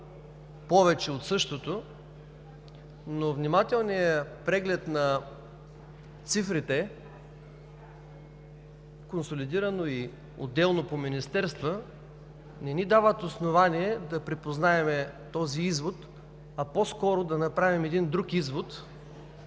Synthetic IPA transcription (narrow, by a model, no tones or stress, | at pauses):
pɔvɛt͡ʃɛot̪sɤʃt̪ot̪o | novnimat̪ɛlˠnijəpɾɛɡlɛt̪nɐ | t̪sifɾit̪ɛ | konsolid̪iɾɐnoi | o̰d̪ːɛlˠnopominist̪ɛɾst̪və | nɛnid̪avət̪osnovaniɛd̪ɐpɾipoznaɛmɛt̪ɔziizvot̪ | ɐposkɔɾod̪ɐnɐpɾavimɛd̪ind̪ɾukizvot̪